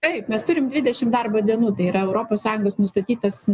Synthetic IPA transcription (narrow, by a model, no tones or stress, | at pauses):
t̪ɐɪpmʲɛst̪ʊɾʲɪmd̪ʲʋʲɪd̪ʲɛʃʲɪmd̪ɐrbɐd̪ʲiɛnuːt̪ɐɪiːɾɐɛʊɾoːpoːssɑːjʊŋɡoːsnʊst̪ɐt̪ʲiːt̪ɐs